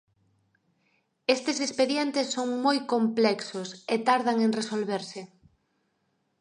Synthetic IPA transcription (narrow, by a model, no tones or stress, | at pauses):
est̪esespeðjent̪esːoŋmojkomplɛksoset̪aɾðaŋeŋresolβeɾsɪ